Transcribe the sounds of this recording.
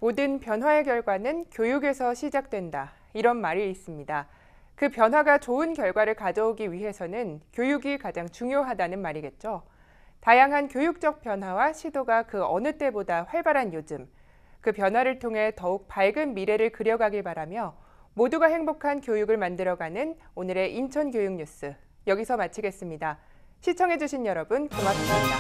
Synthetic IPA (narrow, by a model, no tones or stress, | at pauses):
modɯnpjʌnɦwae̞kjʌɭɡwanɯnkjojuɡe̞sʰʌɕʰid͡ʑak̚t͈we̞nda | iɾʌnmaɾiːs͈ɯmɲida | kɯpjʌnɦwaɡat͡ɕoɯnkjʌɭɡwaɾɯɭkad͡ʑʌoɡiɥiɦe̞sʰʌnɯnkjojuɡikad͡ʑaŋt͡ɕuŋjoɦadanɯnmaɾiɡe̞t̚t͡ɕ͈o | tajaŋɦankjojuk̚t͡ɕ͈ʌk̚p͈jʌnɦwawaɕʰidoɡakɯʌnɯt͈e̞bodaɸwaɭbaɾanjod͡ʑɯm | kɯpjʌnɦwaɾɯɭtʰoŋɦe̞tʌuk̚paɭɡɯnmiɾe̞ɾɯɭkɯɾjʌɡaɡiɭpaɾamjʌ | moduɡahe̞ŋbokʰankjojuɡɯɭmandɯɾʌɡanɯnonɯɾe̞ʔint͡ɕʰʌnkjojuŋɲus͈ɯ | jʌɡisʰʌmat͡ɕʰiɡe̞s͈ɯmɲida | ɕʰit͡ɕʰʌŋɦe̞d͡ʑuɕʰinjʌɾʌbɯnkoŋapʰasaida